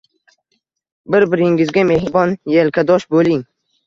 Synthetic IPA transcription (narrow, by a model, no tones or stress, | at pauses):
bɪɾbɪɾɪŋɪzɡʲame̞hɾbɒnjelkʰʲad̪ɒʃbolɪŋ